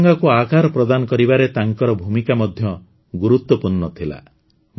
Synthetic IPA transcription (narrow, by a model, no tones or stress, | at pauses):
ŋɡakuakaɾɔpɾɔd̪anɔkɔɾibaɾet̪aŋkɔɾɔbʱumikamɔd̪ʱjɔ | ɡuɾut̪wɔpuɾnɔt̪ʰila̰